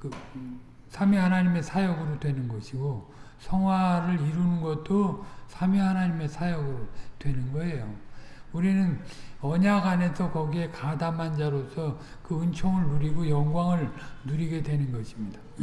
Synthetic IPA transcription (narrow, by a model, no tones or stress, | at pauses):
kɯ | sʰamiɦanaɲime̞sʰajʌɡɯɾodwe̞nɯnɡʌɕʰiɡo | sʰʌŋwaɾɯɾiɾunɯnɡʌt̚t͈osʰamiɦanaɲime̞sʰajʌɡɯɾod̥we̞nɯnɡʌe̞jouɾinɯnʌɲaɡane̞sʰʌkʌɡie̞kadamand͡ʑaɾosʰʌkɯunt͡ɕʰoŋɯɭnuɾiɡojʌŋɡwaŋɯɭnuɾiɡe̞dwe̞nɯnɡʌɕʰimɲid̥a